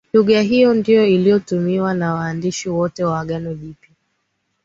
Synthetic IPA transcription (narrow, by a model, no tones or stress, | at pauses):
luɠaɦijɔndijɔilijɔtumiwanawaːndiʃiwɔtɛwaaɠanɔvipi